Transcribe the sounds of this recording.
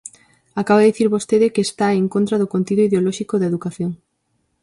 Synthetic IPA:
akaβaðiθiɾβost̪eðɪkeːst̪aeŋkont̪ɾaðokont̪iðoiðeolɔʃikoðaeðukaθjoŋ

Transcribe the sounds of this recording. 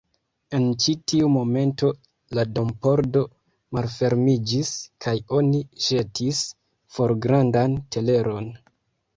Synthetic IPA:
e̞nt͡ʃitiumo̞me̞nto̞ | lado̞mpo̞ɾdo̞ | malfe̞ɾmid͡ʒiskʰajo̞niʃe̞tʰis | fo̞ɾɡɾandantʰe̞le̞ɾo̞n

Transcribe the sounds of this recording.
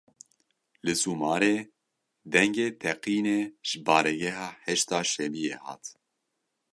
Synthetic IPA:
lɨsuːmɑːɾeː | d̪ɛŋɡeːt̪ʰɛqiːneːʒ̥ɨbɑːɾɛɡɛɦɑːhɛʃt̪ɑːʃɛbiːjeːhɑ̰ːt̪

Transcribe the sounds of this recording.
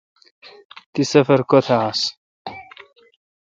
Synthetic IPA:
t̪isɐfɐɾkot̪ʰaas

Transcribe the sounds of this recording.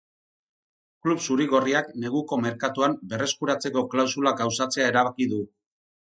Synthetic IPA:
klupsuɾiɣo̞riakne̞ɣuko̞me̞ɾkat̪uambe̞re̞skuɾat͡se̞ko̞klawsulaɡawsat͡se̞aeɾaβakiðu

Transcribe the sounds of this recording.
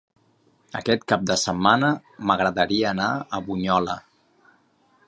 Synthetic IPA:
ə̰kɛt̪̚kap̚d̪əsəmːanə | məɣɾəðəɾiəːnaəβuɲɔlə

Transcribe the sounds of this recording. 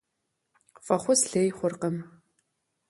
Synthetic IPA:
fʼɐχʷʊsɬeːjχʷʊrqəm

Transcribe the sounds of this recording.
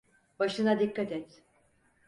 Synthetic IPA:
baʃɯnad̪ikːat̪ɛt̪

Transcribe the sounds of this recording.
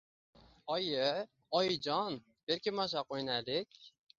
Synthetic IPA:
ɒjɪ | ɒjd͡ʒɒn | b̥eɾkʲɪmɒʃ̬aqojnalɪkʲ

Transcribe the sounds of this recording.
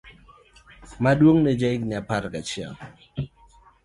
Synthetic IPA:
madwoŋnɛd͡ʒaɪkɲapaɾkat͡ʃɪa̰l

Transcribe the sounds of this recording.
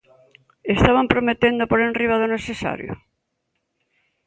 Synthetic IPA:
est̪aβampɾomet̪end̪opoɾenriβaðoneθesa̰ɾjʊ̰

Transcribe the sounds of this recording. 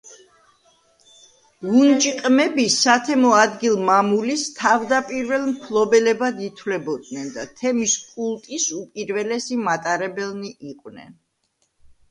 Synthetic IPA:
ɡunt͡ʃʼiqʼmɛbisat̪ʰɛmɔad̪ɡilˠmamulist̪ʰavd̪apʼiɾvɛlˠmpʰlˠɔbɛlɛbad̪it̪ʰwlɛbɔd̪nɛnd̪at̪ʰɛmiskʼulˠt̪ʼisupʼiɾvɛlɛsimat̪ʼaɾɛbɛlˠniʔiqʼwnɛ̰n

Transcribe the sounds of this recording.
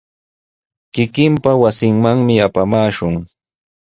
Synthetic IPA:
kɪkɪmpawasɪŋmaŋmɪapamaːʃʊŋ

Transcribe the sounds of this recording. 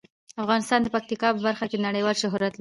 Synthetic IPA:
afɣɑnɪst̪ɑnd̪əpak̚t̪ikɑpəbaɾxakenaɽəjwɑlʃʊɦɾat̪l

